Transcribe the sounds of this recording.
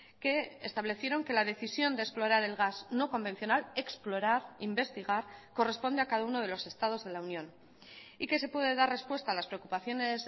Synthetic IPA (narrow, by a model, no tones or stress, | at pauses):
ke̞ːst̪aβ̞le̞θje̞ɾo̞ŋke̞lað̞e̞θisjo̞nd̪esplo̞ɾaɾe̞lɣazno̞ko̞mbe̞n̟θjo̞nale̞ksploɾaɾimbe̞st̪iɣ̞aɾko̞re̞spo̞nd̪eakaðauno̞ð̞e̞lo̞se̞st̪að̞o̞zðe̞launjõ̞n | ike̞se̞pwe̞ðe̞ðare̞spwe̞st̪aːlaspɾe̞okupaθjo̞ne̞s